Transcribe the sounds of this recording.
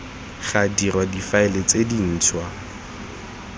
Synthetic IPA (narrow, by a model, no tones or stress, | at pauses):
χadirwadifaɪlet͡sedin̩ːt͡sʰwa